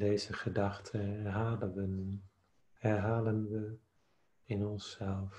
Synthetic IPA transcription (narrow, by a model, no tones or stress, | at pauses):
dejzəχədɑχtʰəɦaːləʋən | hɛɹɦaːlənʋə | ɪnɔnsɛlˠf